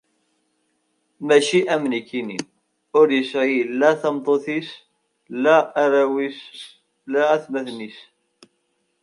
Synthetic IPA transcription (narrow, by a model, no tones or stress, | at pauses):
mæʃiʔæmnikːinin | ʊɾjəsʁilːæθɑmt̪ˤoθis | læːɾæwis | læθmæθnis